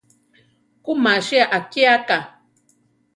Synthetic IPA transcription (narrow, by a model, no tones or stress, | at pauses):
kumaʃiaʔakiaka